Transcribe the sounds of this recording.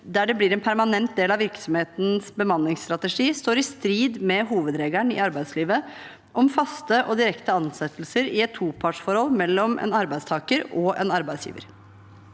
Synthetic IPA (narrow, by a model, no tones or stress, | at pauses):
d̪æɖɛblɪɾɛnpʰæɾmɑnɛnt̪̚d̪eːlɑʋɪɾksɔmheːt̪n̩sbəmɑnːɪŋst̪ɾɑt̪əʂiːst̪oːɾɪst̪ɾiːd̪mɛɦuːʋəd̪ɾeːɡæɳɪ̰ɑɾbæɪsliːʋə | ʔɔmfɑst̪əʔɔd̪ɪɾɛkt̪əɑnsɛt̪ːlsəɾɪɛt̪ʰːuːpʰɑʈʂfɔɾhɔlːmɛlːɔmʔɛ̰nɑɾbæɪd̪st̪ʰɑːkəɾɔʔɛ̰nɑɾbæɪsjḭːʋə̰ɾ